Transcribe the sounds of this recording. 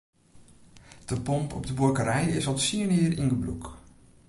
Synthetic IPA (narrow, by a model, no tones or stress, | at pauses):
d̥əpɔmpʰɔ̰b̚dəbukəɾɛjɪsɔlˠtsiənɪːrinɡəblṵk